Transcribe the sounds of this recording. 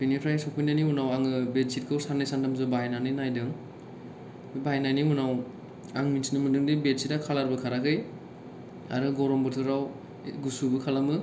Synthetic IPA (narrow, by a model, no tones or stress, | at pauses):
pinipʰɾajsɔkʰujnanimunawaŋɯbet̚sit̚kʰɯwsanːajsantʰamzɯbajnanɯnajdɯŋ | bajnanimunaw | aŋminsinɯmɯndɯŋdibet̚sitakʰalaɾbɯkʰaɾakʰɯj | a̰ɾɯɡɔɾɔmbɯɾtʰɯɾaw | ɡusubɯkʰalamɯ